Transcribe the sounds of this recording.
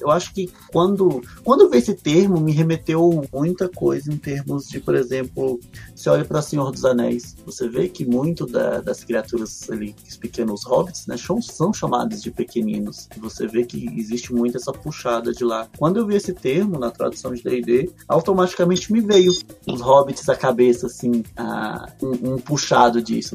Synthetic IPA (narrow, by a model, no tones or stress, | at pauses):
ewaʃʊ̥kɪ | kwɐ̃nd̪ʊkkwɐ̃nd̪ʊewviesɪt̪eɾmʊmɪɦemet̪ewmũj̃t̪ɐkojzɐẽt̪eɾmʊzd͡ʒɪpoɾezẽmplʊseɔʎɐpɾɐsẽɲoɾd̪ʊzanɛjsvosevekɪmũj̃t̪ʊd̪ɐ̰d̪ɐskɾiat̪uɾɐzaliɪspikẽnʊ̃ʊshɔbɪt͡ʃ̪ɪ̥znɛ̰ʃɐ̃w̃sɐ̃w̃ʃama̰d̪ɐzd͡ʒɪpekenĩnʊsɪvosevekɪɪzist͡ʃɪmũj̃t̪ʊɛsɐpuʃad̪ɐd͡ʒɪlakwɐ̃d̪ʊewviesɪt̪eɾmʊnɐt̪ɾa̰d̪usɐ̃w̃d͡ʒɪd̪eid̪ea̰wt̪omat͡ʃi̥kamẽnt͡ʃɪmɪvejʊʊzhɔbɪt͡ʃɪ̥zɐkabesɐsĩa̰ũũpuʃad̪ʊd͡ʒḭsʊ